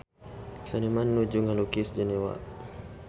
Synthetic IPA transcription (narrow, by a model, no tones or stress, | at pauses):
sanimanːud͡ʒuŋalukisd͡ʒanewa̰ʔ